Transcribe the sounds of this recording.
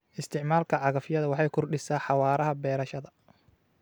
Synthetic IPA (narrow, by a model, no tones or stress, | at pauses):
ʔɪst̪ʰɪʕmaːlkʰɐʕɑɣɐfjɐðɐwɑħɑjkʰʊrɖɪsaːħɑwaːɾɐɦɐbɛːɾɐʃɐðɐ